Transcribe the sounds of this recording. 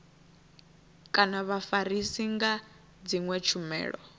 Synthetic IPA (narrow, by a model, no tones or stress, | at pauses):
kʼanaβafaɾisiŋɡa | d͡ziŋwɛt͡ʃʰumɛ̰ːɺɔ̰